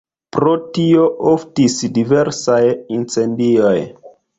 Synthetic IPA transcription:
pɾotioʔoftisdive̞ɾsajint͡se̞ndio̞j

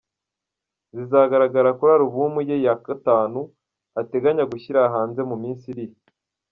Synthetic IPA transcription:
zizaːɡaɾaɡaɾakuɾaɾuβumujejakataːnu | ate̞ɡaɲaɡuçiɾaːɦaːnze̞mumiːnsiɾij

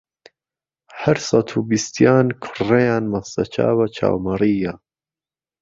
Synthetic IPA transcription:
hɐɾsɑt̪ʰuːbist̪jaːnkʰʊrejaːnmɐst̪ɐt͡ʃʰa̰ːwɐt͡ʃʰa̰ːwmɐɾiːja

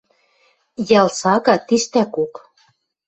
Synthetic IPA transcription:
jɑlsɑkɑt̪iʃt̪ækok

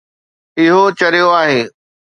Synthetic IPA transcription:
ɪɦot͡ɕɐɾijoaːɦeː

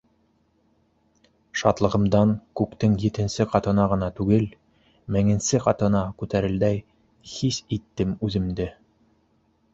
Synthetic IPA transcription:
ʃɑt̪lˠɤ̆ʁɤ̆md̪ɑŋkʉkt̪ɘŋjɘ̆t̪ɘ̆nsɘqɑt̪ɤ̆nɑʁɤ̆nɑt̪ʉɡɘl | mæŋɘ̆nsɘqɑt̪ɤ̆nɑkʉt̪æɾɘ̆ld̪æj | hisit̪ːɘmʉðɘ̆md̪ɘ

